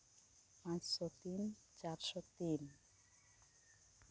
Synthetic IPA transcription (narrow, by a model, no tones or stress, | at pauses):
pãt͡ɕʃɔt̪in | t͡ɕaɾʃɔt̪in